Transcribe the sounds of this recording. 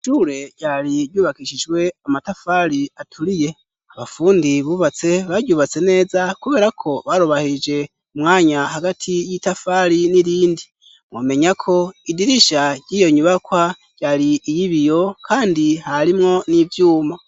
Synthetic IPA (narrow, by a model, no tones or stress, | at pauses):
ʃuɾe̞ɟaːɾiɾɟuːβakiʃid͡ʒɡwe̞amatafaɾiatʰuɾije̞ | aβafuːndiβuːβat͡se̞βaɟuːβat͡se̞ne̞ːzakuβe̞ːɾakʰo̞βaɾoβahid͡ʒe̞ | umŋaːɲahaɡatʰijitafaɾiniɾiːndi | mwome̞ɲakʰo̞idiɾiʃaɟiːjo̞ɲuβakwa | ɟ̥aɾiːjiβijo̞kʰaːndihaɾimŋo̞nivjuːma